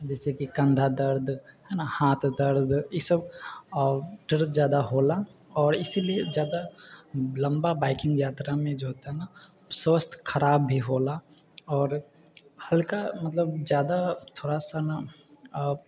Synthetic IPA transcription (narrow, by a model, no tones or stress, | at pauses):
d͡ʒɛːsekikɐ̃nd̪ʱad̪əɾd̪ʱɦɛːnahãːt̪d̪əɾd̪jɪsəb | ɖɐɾd̪d͡ʒjaːd̪aɦoːlaɔːɾɪsilied͡ʒjaːd̪a | lɐ̃mbabaːɪkɪ̃ŋɡjaːt̪ɾamẽd͡ʒoɦoːt̪aɦɛna | soːst̪kʰɐɾaːbːʱiɦoːla | ɔːɾ | hɐlkamɐt̪ləbzjaːd̪at̪ʰoːɽasana